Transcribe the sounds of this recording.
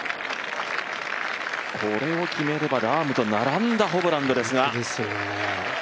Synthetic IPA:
kʰo̞ɾe̞o̞kʲime̞ɾe̞baɾaːmɯ̟t̪o̞naɾãnd̪aɦo̞bɯ̟ɾãnd̪o̞d̪e̞sɨɡad̪sone

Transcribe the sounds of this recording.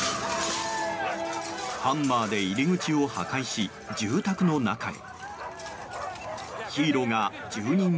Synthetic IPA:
hãmːaːd̪e̞iɾʲiŋɯ̟t͡ɕio̞ha̰kaiɕi | d͡ʑɨːt̪akɯ̟no̞na̰ka̰ḭ | çiːɾo̞ŋa | d͡ʑɨːɲ̟ĩm

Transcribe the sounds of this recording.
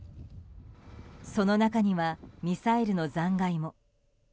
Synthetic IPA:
so̞no̞nakaɲ̟iβamʲisaeɾɯ̟nozãŋɡaimo̞

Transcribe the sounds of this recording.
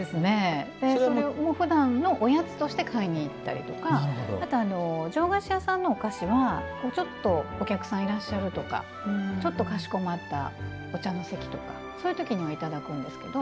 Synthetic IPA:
d̪e̞sɨne̞d̪̥e̞omoɸɯ̟d̪ãnno̞ʔojat͡sɨ̥t̪o̞ɕi̥t̪e̞kʰaiɲ̟iːt̪ːa̰ɾʲḭt̪o̞kaaɾɯɦod̪o̰mat̪aːno̞d͡ʑo̞ːɡaɕijasãnːo̞ːkaɕiβakoːt͡ɕo̞t̪ːo̞okʲakɯ̟̥sãɰ̃iɾaɕːaɾɯ̟t̪o̞ka̰ | t͡ɕo̞t̪ːo̞kaɕi̥ko̞mat̪ːa̰ | o̞t͡ɕano̞se̞kʲi̥t̪o̞ka̰ | soːjɯ̟t̪o̞kʲiɲ̟iβait̪ad̪akɯ̟̃nd̪e̞sɨ̥ke̞d̪o̞

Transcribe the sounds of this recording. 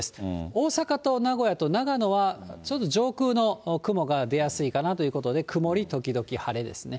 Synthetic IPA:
sɨ̥o̞ːsakat̪o̞naɡo̞jat̪o̞naɡano̞βat͡ɕo̞t̪ːo̞ʑo̞ːkɯ̟ːno̞kɯ̟mo̞ɡad̪e̞jasɨikanat̪o̞jɯ̟ko̞t̪o̞d̪e̞kʰɯ̟mo̞ɾʲit̪o̞kʲid̪o̞kʲihaɾe̞d̪e̞̰sɨne̞

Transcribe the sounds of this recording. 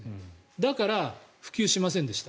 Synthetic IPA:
d̪akaɾaɸɯ̟̥kʲɨːɕimasẽ̞nd̪e̞ɕi̥t̪a

